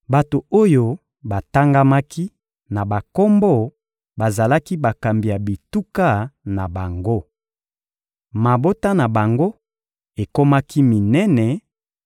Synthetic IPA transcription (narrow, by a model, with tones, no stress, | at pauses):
ba˨to˨o˦jo˦ | ba˨ta˦ŋɡa˦ma˦kʰi˦ | na˨ba˨ko˦mbɔ˦ | ba˨za˨la˦ki˦ba˨ka˨mbi˨ja˨bi˨tu˦ka˦na˨ba˨ŋɡo˦ | ma˨bo˦ta˦na˨ba˨ŋɡo˦ | e˨ko˦ma˦ki˦mi˨nɛ˦nɛ˨